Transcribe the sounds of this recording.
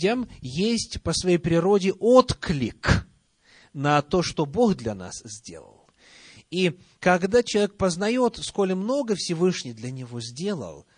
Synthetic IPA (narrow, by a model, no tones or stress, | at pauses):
əmjesʲtʲpəsvɐjejpɾʲɪɾo̞dʲɪʔot̪klʲɪk | nɐt̪o̞ʂt̪obo̞xd̪lʲɐna̰szʲdʲe̞̰lˠə̰lˠ | i | kɐɡd̪at͡ɕɪlˠɐvʲek̚pəznɐjo̞t̪sko̞lʲɪmno̞ɡəfsʲɪvɨʂnʲɪjd̪lʲɐnʲɪvo̞zʲdʲe̞lˠə̰lˠ